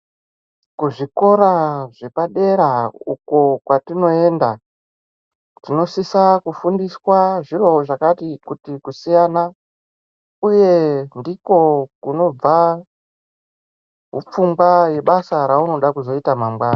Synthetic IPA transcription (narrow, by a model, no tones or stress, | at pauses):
kuʐiko̞ɾaʐe̞paɗe̞ɾauko̞kwatino̞e̞ːnda | tino̞sisakufundiswaʐiro̞ʐakatikutikusijana | uje̞ndiko̞kuno̞b͡va | ɦup͡fumɡwaje̞ɓasaɾauno̞ɗakuzo̞itamamɡwaːna